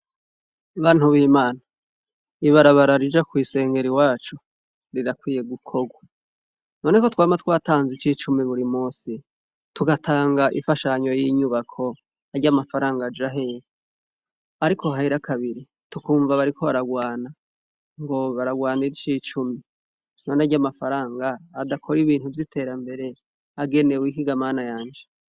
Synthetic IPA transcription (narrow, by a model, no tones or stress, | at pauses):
βaːn̥uβiːmaːna | iβaɾaβaɾaɾid͡ʒakwiːse̞ːŋɡe̞ɾiwaːt͡ʃu | ɾiɾakwiːje̞ɡukʰo̞ɡwa | no̞nekotwaːmat̪waːtaːnzit͡ʃiːt͡ʃumiβuɾimuːsi | tuɡatʰaːŋɡaʔḭfaʃaɲo̞jiɲuβakʰo̞ | aɾɟamafaɾaːŋɡad͡ʒaɦej | aɾikʰo̞haiɾakʰaβiɾi | tukuːɱvaβaɾikʰo̞βaɾaɡwaːna | ŋɡo̞βaɾaɡwaːniɾit͡ʃiːt͡ʃumi | no̞naɾɟamafaɾaːŋɡaːdakʰo̞ɾiβiːn̥uvjitʰe̞ːɾambe̞ɾe̞ | aɡe̞ne̞wikiɡamaːnajaːnd͡ʒe